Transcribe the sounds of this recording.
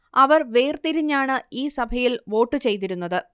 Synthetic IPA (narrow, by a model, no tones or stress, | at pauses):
ɐʋɐrʋe̞ːrt̪iɾiɲːaːɳɨiːsɐbʱɐjilʋo̞ːʈːɨt͡ɕe̞jt̪iɾunːɐðɨ